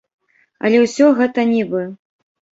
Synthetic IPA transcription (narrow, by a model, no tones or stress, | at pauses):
ɐ̰lʲɛwsʲɔɣɛt̪ɐnʲibɨ